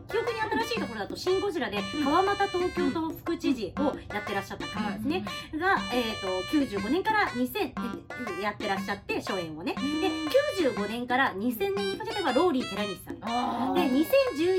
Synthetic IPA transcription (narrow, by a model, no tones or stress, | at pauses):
kʲijo̞kɯ̟ɲ̟iat̪aɾaɕiːt̪o̞ko̞ɾoat̪o̞ɕĩŋɡo̞ʑiɾad̪e̞kaβamat̪at̪o̞ːkʲo̞ːt̪o̞ɸɯ̥kɯ̟t͡ɕiʑio̞jat̪ːe̞ɾaɕːat̪ːakamad̪esɨne̞ɡaeːt̪ːo̞kʲɨːʑɨːɡo̞ne̞ŋkaɾaɲ̟isẽ̞ | jat̪ːe̞ɾaɕːat̪ːe̞ɕo̞ːẽɰ̃one̞d̪e̞kʲɨːʑɨːɡo̞nẽ̞ŋkaɾaɲ̟isẽ̞nːẽ̞ɲːikakeɾe̞βaɾo̞ːɾʲiːt̪eɾaɲʲissã̰nd̪od̪e̞ɲ̟isẽ̞ɲ̟d͡ʑɨː